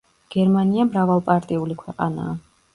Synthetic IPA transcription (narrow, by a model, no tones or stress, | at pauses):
ɡ̥ɛɾmaniamɾavalˠpʼaɾt̪ʼiulikʰwɛqʼana̰ː